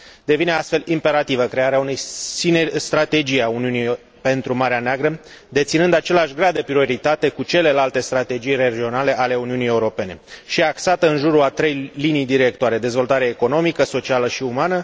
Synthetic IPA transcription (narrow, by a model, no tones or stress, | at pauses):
d̪e̞vine̞ast̪fe̞limpe̞ɾat̪ivəkɾe̞aɾeaune̞jsinest̪ɾat̪e̞d͡ʒijauniuni | pe̞nt̪ɾumaɾeaneaɡɾə | d̪e̞t̪sinɨnd̪at͡ʃe̞leaʃɡɾad̪e̞pɾio̞ɾit̪at̪e̞kut͡ʃe̞le̞lalt̪e̞st̪ɾat̪e̞d͡ʒijre̞d͡ʒio̞nale̞ʔale̞uniunijeuɾo̞pe̞ne̞ʃiaksat̪əɨnʒuɾuat̪ɾe̞jlinijd̪iɾe̞k̚t̪oaɾe̞d̪e̞zvo̞lt̪aɾeeeko̞no̞mikəso̞t͡ʃialəʃiumanə